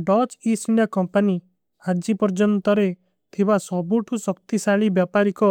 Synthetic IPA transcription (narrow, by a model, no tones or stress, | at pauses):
ɖɔt͡ʃisiɳɖjakɔmpani | aɾd͡ʒipɔɾd͡ʒɔnt̪ɔɾe | t̪ʰibasɔbuʈʰusɔkt̪isaɭibjapaɾikɔ